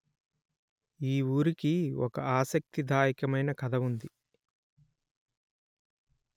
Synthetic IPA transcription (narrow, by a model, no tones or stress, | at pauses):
iːuːɾikiɔkɐaːsɐk̚t̪id̪ʱaːjikɐmɐjnɐkɐd̪ʱɐʋund̪i